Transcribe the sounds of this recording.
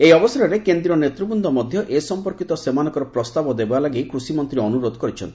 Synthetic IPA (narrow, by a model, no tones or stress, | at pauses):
ejɔbɔsaɾɔɾekend̪ɾiɔnet̪ɾubund̪ʱɔmɔd̪ʱjɔʔesɔmpɔɾkit̪ɔsemanɔkɔɾɔpɾɔst̪abɔd̪ebalaɡejkɾusimɔnt̪ɾiɔnuɾod̪ɔkɔɾit͡ʃʰɔ̰nt̪i